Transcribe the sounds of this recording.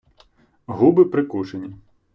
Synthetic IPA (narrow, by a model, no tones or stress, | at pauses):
ɦubɪpɾɪkuʒenʲi